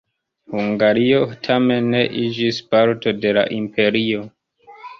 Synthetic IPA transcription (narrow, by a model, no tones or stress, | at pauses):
huŋɡaɾio̞tʰame̞nːe̞ʔid͡ʒispaɾto̞de̞la̰ʔimpʰe̞ɾio̞